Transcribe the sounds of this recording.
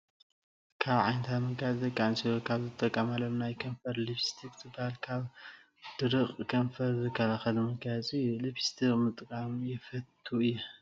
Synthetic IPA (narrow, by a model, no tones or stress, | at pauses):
kʰaβʕa̰jnt̪ʰamɐɡjat͡sʼd̪ɐkʼːansilokʰaβzɨt̪ʼːɐkʼːɐmalomnajkʰɐɱfɐɾliβist̪ʰikzɨbːahalkʰaβ | d̪̥ɨɾɨχʼkʰɐnfɐɾzɨkʰɐlaxɐlumɐɡajat͡sʼɨjulɨβi̥st̪ʰikʼmɨt̪ʼkʼamjɪfɐt̪ʰːuɨjːu